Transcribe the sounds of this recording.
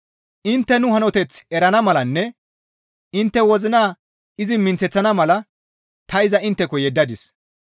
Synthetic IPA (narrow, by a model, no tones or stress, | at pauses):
ʔɪnt̪ːɛnʊhɐnɔt̪ɛt͡sɛɾɐnɐmɐlɐnːɛ | ɪnt̪ːɛwɔzɪnaː | ɪzɪmɪnt͡sɛt͡sːɐnɐmɐlɐ | t̪ɐɪzɐɪnt̪ːɛkɔjɛd̪ːɐd̪ɪs